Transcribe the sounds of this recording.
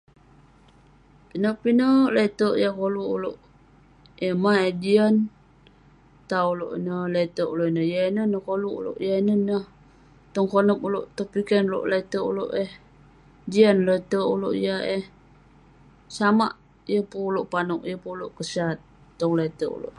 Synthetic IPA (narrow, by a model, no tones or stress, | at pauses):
pinəpinəlet̪əʔjakoluuloʔ | emaed͡ʒian | t̪aulo̰ʔḭnəlet̪əʔuloʔinəjainənəhkoluṵlo̰ʔjainənəh | t̪ɔŋkonəp̚uloʔt̪opikɛnlo̰ʔlet̪əṵloʔeh | d͡ʒianlet̪əuloʔijaeh | sama̰ʔ | jəpuloʔpanukjəpuloʔkəsat̪̚ː | ɔŋlet̪əʔṵlo̰ʔ